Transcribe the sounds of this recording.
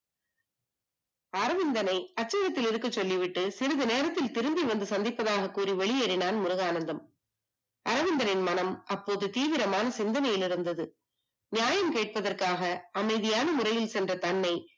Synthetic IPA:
ɐɾɐʋɪnd̪ɐnɐɪɐʈ̚t͡ʃːɐɣɐt̪ːɪlɪɾɯkːɯt͡ʃːɔlːiʋɪʈːɯsɪɾɐðɯneːɾɐt̪ːɪlt̪ɪɾɯmb̪iʋɐnd̪ɯsɐnd̪ɪpːɐðaːɣɐkːuːriʋɛɭɪjɛɾɪnaːnmʊɾɯɣaːnɐnd̪ɐm | ɐɾɐʋɪnd̪ɐnɪnmɐnɐmʔɐpːoːðɯt̪iːʋɪɾɐmaːnɐsɪnd̪ɐnɐjɪlɪɾɯnd̪ɐðɯ | nɪjaːjɐmkeːʈ̚pɐðɐrkaːɣɐɐmɐɪðɪjaːnɐmʊrɐjɪlsɛndrɐt̪ɐnːɐɪ

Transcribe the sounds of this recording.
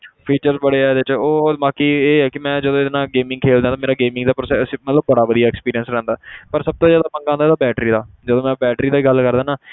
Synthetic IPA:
pʰiːt͡ʃəɾzbəɽeːɛːd̪ɪt͡ʃoːmaːkiːeːɛːkɪmɛ̃ːd͡ʒəd̪õd̪nãːɡeːmɪ̃ŋɡkʰeːld̪ãːt̪aːmeːɾaːɡeːmɪ̃ŋɡd̪aːpɾoːsɛsemət̪ləbːəɽaːʋəd̪ijaːɛːkspiːɾijənsɾɛ̃ːnd̪aːpəɾsəb̚t̪õːzjaːd̪aːmə̃ŋɡãːnd̪aːd̪aːbɛːʈɾiːd̪aː | d͡ʒəd̪õːmɛ̃ːbɛːʈɾiːd̪aːiːɡəlkəɾd̪aːnaː

